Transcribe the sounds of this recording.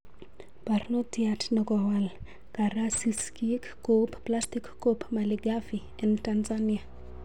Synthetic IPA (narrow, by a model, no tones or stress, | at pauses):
parnɔtjatnɔɡɔwal | kaɾasiskikː | opplastikːopmaliɡafi | ɛntanzania